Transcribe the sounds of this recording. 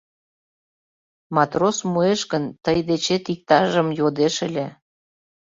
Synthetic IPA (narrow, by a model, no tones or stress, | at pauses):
mɑt̪rosmueʃɣənt̪əjd̪et͡ɕet̪ik̚t̪ɑʒəmjod̪eʃəlʲe